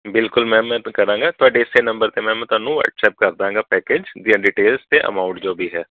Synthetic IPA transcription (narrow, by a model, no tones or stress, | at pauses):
bɪlkʊlmɛ̃ːmɛ̃ːkəɾãːŋɡaːt̪ʊaːɖeːɪseːnə̃mbəɾt̪eːmɛ̃ːmɛ̃ːt̪ʊaːnũːʋə̰ːʈsɛːp̚kəɾd̪ãːŋɡaːpɛːkeːd͡ʒd̪ijãːɖiːʈeːlzt̪eːʔə̰maːʊɳʈd͡ʒoːbiːɦɛː